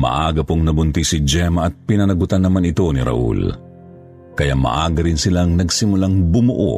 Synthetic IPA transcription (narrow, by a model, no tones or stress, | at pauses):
mɐ̰ʔaːɡɐpoŋnɐbʊnt̪isɪd͡ʒɛmɐʔɐt̪̚pɪnɐnɐɡʊt̪anːɐmanɪt̪o̞niɾɐ̰ʔṵl | kɐjamɐ̰ʔaːɡɐɾɪnsɪlaŋnɐɡsɪmʊlaŋbʊmʊʔo̰